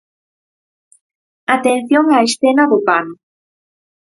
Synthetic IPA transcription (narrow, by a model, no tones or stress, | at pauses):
at̪enθjoŋaesθenaðopano